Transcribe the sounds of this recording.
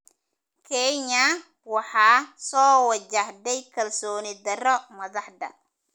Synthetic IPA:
kʰɛɲɐ | wɑħɑːsɔːwɐt͡ʃɐhd̪ɛjkʰɐlsɔːnɪd̪ɐrɔmɐðɑħd̪ɐ̰

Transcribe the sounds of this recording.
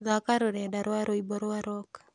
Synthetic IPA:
zakaɾoɾɛdaɾoaɾoibɔɾowaɾɔk

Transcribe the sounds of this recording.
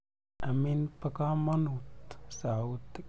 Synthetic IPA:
aminpakamanut̪saut̪

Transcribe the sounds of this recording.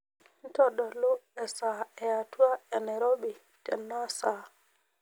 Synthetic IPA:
ntɔɗɔlɔɛsaɛjatuaɛnaɾobi | tɛ̰nːasa

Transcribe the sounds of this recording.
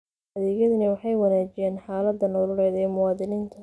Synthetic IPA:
ɐðɛːɣjɐðɐnɐwɑħɑjwɑnaːt͡ʃɪjɛːnħaːlɐd̪ːɐnɔːlʊlɛːd̪ɛːmʊwɑːðɪniːnt̪ʰɐ

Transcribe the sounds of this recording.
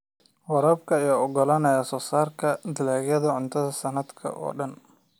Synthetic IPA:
wɐɾɐːbkʰɐɪjɔɔɡɔlɐnɐjasɔːsaːrkʰɐd̪ɪlaːɣjɐðɐʕʊnt̪ʰɐðɐsɐnɐd̪kʰɐ̰ʔɔ̰ːɖɐn

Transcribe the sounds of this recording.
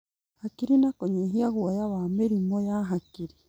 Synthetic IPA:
hakiɾinakoɲeɦiaɣuajaβameɾimojaɦakiɾi

